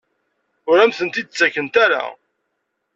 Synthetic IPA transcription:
ʊɾæmθənt̪id̪ət͡sːækːənt̪æɾa̰

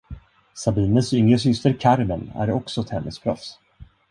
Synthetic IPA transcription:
sabiːnənsʏŋɾəs̬ʏst̪əɾkʰaɾmənæ̰ɾɔksɔɛt̪hɛnːəspʰɾɔ̰fs

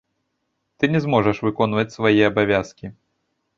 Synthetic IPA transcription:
t̪ɨnʲɛzmɔʐɐʂvɨkɔnvɐt͡sʲsvajɛɐbavʲaskʲi

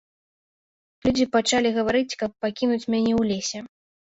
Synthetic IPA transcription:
lʲud͡zʲipat͡ʂalʲiɣɐvaɾɨt͡sʲkɐpːakʲinut͡sʲmʲanʲɛwlʲesʲɛ

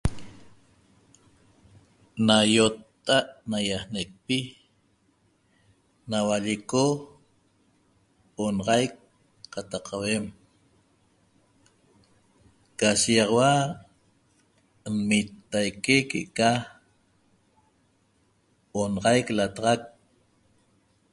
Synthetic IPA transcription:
najot̪ːaʔnajahnek̚pi | nawaʎeko | onɑʁɑjkː | at̪ɑqʰːawem | kaʃijɑʁɑwa | nmit̪ːajkekḛʔka | onɑʁɑjklat̪ɑʁɑk̚

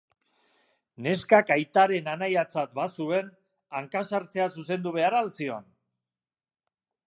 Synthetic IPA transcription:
ne̞skakajt̪aɾe̞nanajat͡sat̪̚basue̞n | aŋkasaɾt͡se̞as̬use̞nd̪uβe̞aɾaːlt͡sio̞̰n

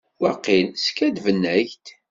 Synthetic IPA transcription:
wæqːilskæd̪vənːæçt̪

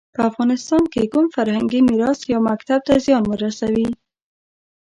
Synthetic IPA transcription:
pəafɣɑnɪst̪ɑnkeɡumfaɾhaŋɡimiɾɑsjɑmakt̪ab̚t̪azijɑnmɪɾasawi

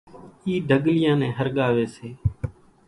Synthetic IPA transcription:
iːd̪ʱəɠlɪjãːnẽːɦəɾɠaːʋeːseː

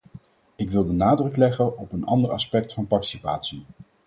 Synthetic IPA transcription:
ɪkʋɪlˠdənaːdrɵklɛχənɔpənʔɑ̰ndərɑspɛk̚tfɑnpɑɹti̥sipa̰ːtsi

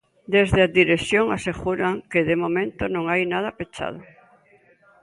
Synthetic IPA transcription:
d̪ezðeaðiɾesjoŋaseɣuɾaŋkeðemomẽnt̪onõŋajnað̞ɐpet͡ʃa̰ð̞ʊ

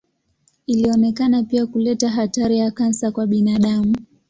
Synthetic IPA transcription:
iliɔnɛkanapiakulɛtaɦataɾijakansakwaɓinaɗamu

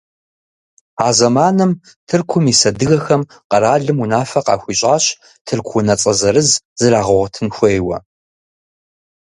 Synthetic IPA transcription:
aːzɐmaːnɨm | tʰɨrkʷʰʊmiːsɐdɨɣɐxɐm | qɐɾaːɮɨmunaːfɐqɑ̰ːxʷiɕʼaːɕ | tʰɨrkʷʰʊnɐt͡sʼɐzɐɾɨzz̥ɨraːʁʊʁɐtʰɨnxʷejwɐ̰

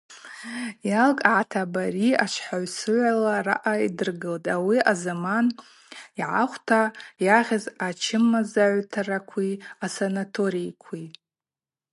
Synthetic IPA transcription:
jalkʼʕatʰabariat͡ʃʷʰħaʕsɨʕʷalara̰ʔaidɨrɡɨltʼawiazaman | iʕaχʷtʰajaʁʲɪzat͡ʃʰɪmːazaʕʷtʰarakʷʰiasanatʰo̞ɾikʷʰi

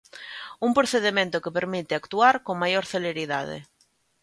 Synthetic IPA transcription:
uŋpɾoθeðemẽnt̪ʊkepeɾmit̪ɪakt̪uaɾkoŋmajoɾθeleɾiðaðɪ̰

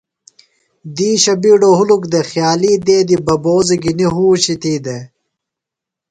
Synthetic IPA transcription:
d̪iːɕɐbiːɖoɦulukd̪exjaːliːd̪eːd̪ibɐboːziɡiniɦuːɕit̪iːd̪e

